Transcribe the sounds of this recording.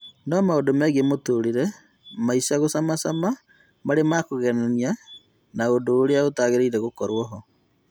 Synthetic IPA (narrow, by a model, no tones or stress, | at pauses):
nɔmaodomɛɣemotoɾiɾɛ | maisaɣosamasama | maɾemakoɣɛnania | naodoːɾeaotaːɣeɾeiɾɛɣokɔɾwɔɦɔ